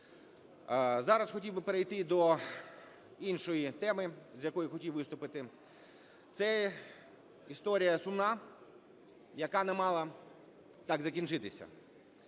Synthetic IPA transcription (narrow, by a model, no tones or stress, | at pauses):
zɑɾɐsxɔtʲiwbɪpeɾejt̪ɪd̪ɔ | inʃɔjit̪ɛmɪzʲjɐkɔjʊxɔtʲiwʋɪst̪ʊpɪt̪ɪ | t̪sɛ | ist̪ɔɾʲijɐsʊmnɑ | jɐkɑnɛmɑlˠɐ | t̪ɑɡzɐkʲinʒɪt̪ɪsʲɐ̰